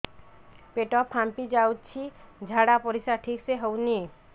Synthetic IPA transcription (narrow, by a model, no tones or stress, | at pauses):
peʈɔpʰːampid͡ʒawtt͡ʃʰid͡ʒʱaɽapɔɾisaʈʰikseɦowni